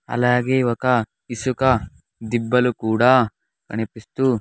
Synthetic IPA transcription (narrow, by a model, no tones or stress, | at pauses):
ɐ̰laːɡeiʋɐkɐ | isukɐ | d̪ibːɐlukuːɽɐ | kɐ̰ɳipist̪u